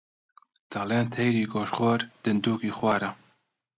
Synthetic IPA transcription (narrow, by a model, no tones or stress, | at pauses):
d̪̥ɑleːnt̪ʰɛjɾiːɡoːʃχoːɾd̪̥ɨnd̪uːkiːxwɑːɾɐ